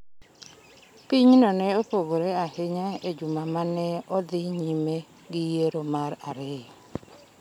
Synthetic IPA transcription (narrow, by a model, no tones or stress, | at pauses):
piɲnɔnɛopoɡoɾeahɪɲaed͡ʒumamanɛɔd̪ɪɲime | ɡɪjeɾomaɾa̰ɾe